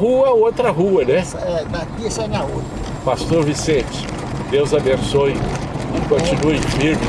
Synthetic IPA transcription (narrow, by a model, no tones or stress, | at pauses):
ɦuɐot̪ɾɐɦuɐnɛ | ɛd̪akisɐ̃nahu | past̪oɾvisẽt͡ʃɪ̥ | d̪ewzabẽsojɪkõt͡ʃinuimiɾ